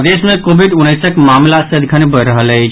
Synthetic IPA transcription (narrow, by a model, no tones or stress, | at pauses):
d̪esmekobʱiɖunːəjsəkmamlasəəd̪ikʰənebəjɾəɦələt͡ʃʰ